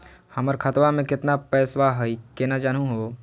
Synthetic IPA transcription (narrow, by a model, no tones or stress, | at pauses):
hɐməɾkʰət̪ʋamẽkɪt̪napɛːswaɦəikenad͡ʒaːnũɦo